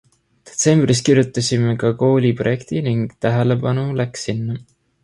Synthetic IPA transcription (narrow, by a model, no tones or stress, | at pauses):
d̪̥e̞̥t̪se̞mb̥riskirjut̪ːˑɑsʲime̞kɑko̞ːlʲipro̞je̞kt̪iniŋɡ̥t̪æɦele̞bɑnulæksinːɑ